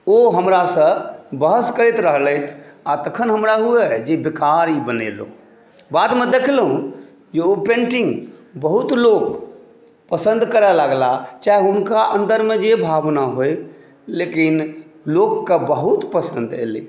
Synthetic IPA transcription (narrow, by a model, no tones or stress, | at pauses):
oɦəmɾasə̃bəɦəskəɾit̪ɾəɦləjt̪ʰat̪əkʰənɦəmɾaɦuɛd͡ʒebekaɾibənḛlo̰ | bad̪med̪ekʰlɦũ | d͡ʒeopẽɳʈiŋɡbəɦut̪lok | pəsə̃nd̪kəɾɛləɡlat͡ʃaːɦiunkaʔə̃nd̪əɾmed͡ʒebʱabnaɦoe | lekinlokːebəɦut̪pəsə̃nd̪ḛlḭ